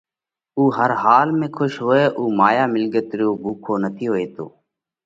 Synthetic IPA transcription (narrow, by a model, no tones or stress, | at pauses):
uːɦəɾɦaːlmẽːkʰʊʃɦoːeːʔuːmaːjaːmɪlɡət̪ɾoːbʱuːkʰoːnət̪ʰiːɦoːeːt̪o̰ː